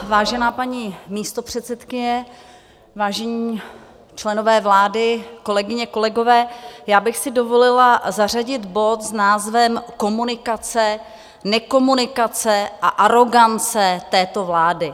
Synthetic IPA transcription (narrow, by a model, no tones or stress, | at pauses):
vaːʒɛnaːpaɲiːmiːst̪o̞pr̝̥ɛt̪sɛt̪kɪɲɛ | vaːʒɛɲiː | t͡ʃlɛno̞vɛːvlaːdɪko̞lɛɡɪɲɛko̞lɛɡo̞vɛːjaːbɪxsɪdo̞vo̞lɪlazar̝aɟɪt̪bo̞t̪znaːzvɛmko̞munɪkat͡sɛ | nɛko̞munɪkat͡sɛʔaʔaɾo̞ɡant͡sɛt̪ɛːt̪o̞vlaːdɪ